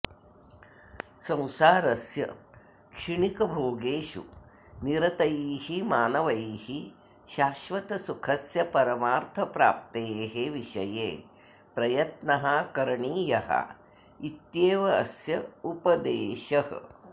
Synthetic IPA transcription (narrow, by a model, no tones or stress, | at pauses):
sɐ̃w̃saːɾɐsjɐ̰ | kʂiɳikɐbʱoːɡeːʃṵ | niɾɐt̪ɐjiːhimaːnɐʋɐjiːhi | ʃaːʃʋɐt̪ɐsukʰɐsjɐpɐɾɐmaːɾt̪ʰɐpɾa̰ːp̚t̪eːɦeʋiʃɐjḛː | pɾɐjɐt̪nɐɦɐkɐɾɐɳiːjɐɦɐ̰ | it̪jeːʋɐɐsjɐupɐd̪eːʃɐhɐ̰